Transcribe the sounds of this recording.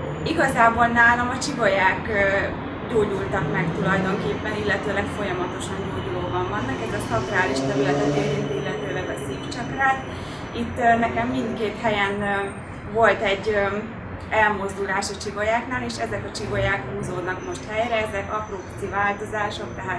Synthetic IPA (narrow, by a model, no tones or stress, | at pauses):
iɡɒzaːbo̞lnaːlomɒt͡ʃivo̞jaːk | ɟoːɟult̪ɒkmɛkt̪ulɒjd̪o̞ŋkeːpːɛnilːɛt̪øːlɛkfo̞jɒmɒt̪o̞ʃɒnjoɟoːbɒɱvɒnːɒkɛzɛsɒkkraːliʃt̪ɛɾylɛt̪ɛk̪eɾint̪ilːɛt̪øːlɛɡɒsiːkt͡ʃɒkraːt̪ | it̪ːnɛkɛmːindt̪keːt̪hɛjɛn | vo̞lt̪ɛɟːø | ɛlmo̞zd̪ulaːʃit͡ʃivo̞jaːknaːleːʃɛzɛkɒt͡ʃivo̞jaːkhuːzoːd̪nɒkmo̞ʃt̪hɛjrɛɛzɛkɒpropt̪sivaːlt̪o̞zaːʃo̞k̚t̪ɛɦaːt̪